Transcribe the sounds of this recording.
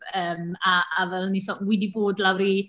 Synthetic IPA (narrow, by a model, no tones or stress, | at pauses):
əːmaʔavɛlˠnisɔwɪdiboːdlawɾi